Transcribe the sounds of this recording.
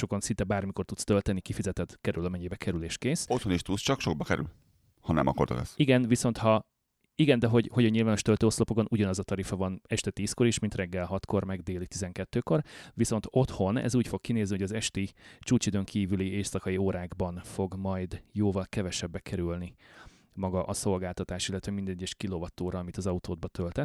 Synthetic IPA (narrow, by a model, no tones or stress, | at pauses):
ʃo̞konsint̪ɛbaːrmiko̞rt̪ut̪st̪ølt̪ɛnikifizɛt̪ɛt̪kɛɾylɒmɛɲːibɛkʰɛɾyleːʃkeːsot̪honiʃt̪ust͡ʃɒkʃoɡ̚bɒkɛɾy̰l | hɒnɛ̰mʔɒ̰kort̪o̰kɛ̰siɡɛnviso̞nt̪hɒ | iɡɛnd̪ɛɦo̞ɟhoɟɒɲɲilvaːno̞ʃt̪ølt̪øːoslopokonʔuɟɒnɒzɒt̪ɒɾifɒvɒnɛʃt̪ɛt̪iːsko̞ɾiʃmint̪rɛɡːɛlɦɒt̪ko̞rmɛɡd̪eːlit̪izɛŋkɛt̪ːøːko̞rʋiso̞nt̪o̞t̪ho̞nɛ̰zuːcfo̞kːineːznioɒzɛʃt̪it͡ʃuːt͡ʃid̪ø̞ŋkʰiːvylieːsɒkɒioːɾaːɡbɒnfo̞ɡmɒjd̪joːvɒlkɛvɛʃɛbːɛkʰɛɾylni | mɒɡɒʔɒso̞lɡaːlt̪ɒt̪aːʃilːɛt̪ʋɛmind̪ɛɟːɛʃkilovɒt̪oːɾɒɒmit̪ɒzɒut̪oːd̪̚bɒt̪ʰølt̪ɛt̪ː